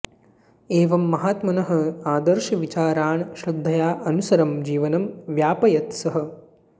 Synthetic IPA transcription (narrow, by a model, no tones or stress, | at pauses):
eːʋɐmːɐɦaːt̪mɐnɐɦɐ̆aːd̪ɐɾʃɐʋit͡ʃaːɾaːɳʃɾɐd̪ʱːɐjaːʔɐnusɐɾɐmd͡ʒiːʋɐnɐmʋjaːpɐjɐt̪sɐɦɐ̆